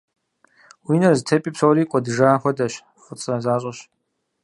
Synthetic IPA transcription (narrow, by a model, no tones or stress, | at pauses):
wiːnɐrztʰepʼiːpsowɾiːkʷʼɔdɨʐaːxʷɔdɐɕ | χʷʊt͡sʼrɐzaːɕʼɔɕ